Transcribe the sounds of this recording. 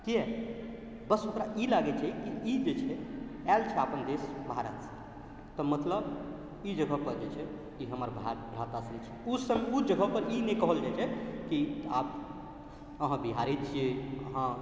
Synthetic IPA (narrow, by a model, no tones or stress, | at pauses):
k̪iɛ | bəsokɾaʔilaɡɛt͡ʃʰɛkiid͡ʒet͡ʃʰɛɛlt͡ʃʰɛapənd̪esbʱaɾə̰t̪sə̥̃ | t̪ɔmət̪ləb | id͡ʒəɡəɦpəɾd͡ʒet͡ʃʰɛ | kiɦəməɾbʱaɾbɾat̪asənt͡ʃʰɛusəmeud͡ʒəɡʱəpəɾinekəɦəld͡ʒat͡ʃʰɛkiap̚ | əɦãbiɦaɾɛt͡ʃʰijeəɦã